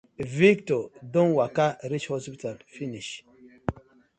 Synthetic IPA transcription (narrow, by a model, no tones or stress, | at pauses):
viktɔdɔ̃nwakaɾit͡ʃhɔspitalfiniʃ